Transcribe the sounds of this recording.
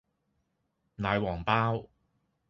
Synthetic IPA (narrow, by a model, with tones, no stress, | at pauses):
naː˨˧jwɔː˨˩ŋpaː˥w